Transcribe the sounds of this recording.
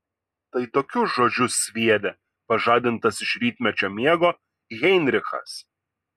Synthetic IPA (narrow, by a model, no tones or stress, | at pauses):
t̪ɐɪt̪oːkʲʊsʒoːd͡ʒʲʊsʲʋʲiɛd̪ʲe | pɐʒɑːd̪ʲɪnt̪ɐsɪʃʲɾʲiːt̪ʲmʲɛt͡ʃʲoːmʲiɛɡoː | ɣʲɛɪnʲɾʲɪxɐ̰s